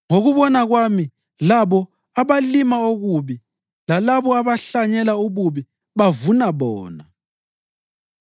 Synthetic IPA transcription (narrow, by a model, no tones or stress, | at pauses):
ŋoɣuβɔnaɣwami | laβɔ | aβalimaoɣuβi | lalaβɔaβaɬaɲɛlauɣuβi | βavunaβɔ̰ːna